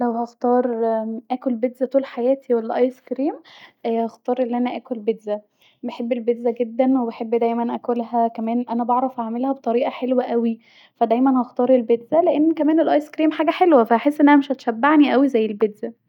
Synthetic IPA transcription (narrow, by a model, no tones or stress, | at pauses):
læwhɑxt̪ɑːɾˤʔæːkolbed̪zæt̪uːlħajæːt̪ʰiwelːæʔɑjskɾiːmhɑxt̪ɑːɾˤʔelːiʔænæʔæːkolbed̪zæ | beħebːelbed̪zæɡed̪ːænwebeħebːd̪æjmænʔækolɦækæmæːnʔænæbɑʕɾˤɑfʔaʕmelhæbet̪ˤɑɾiːʔɑħelwæʔæwi | fæd̪æjmænhɑxt̪ˤɑːɾˤelbed̪zæleʔenːkæmæːnelʔɑjskɾiːmħaːɡæħelwæfæʔaħesːʔenːʔænæmeʃhæt̪ʃæbːaʕniʔæwizæjːelbed̪z̥æ